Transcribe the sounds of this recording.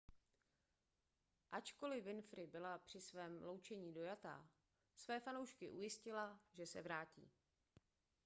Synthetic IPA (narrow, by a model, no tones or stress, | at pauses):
ʔat͡ʃko̞lɪvɪnfɾɪbɪlapr̥ɪsvɛːmlo̞wt͡ʃɛɲiːdo̞jat̪a̰ː | svɛːfanowʃkɪʔujɪscɪlaʒɛsɛ̰vɾaːcḭː